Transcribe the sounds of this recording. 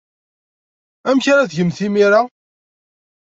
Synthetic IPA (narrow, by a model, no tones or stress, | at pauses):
æmçaɾæθʝəmθimiɾa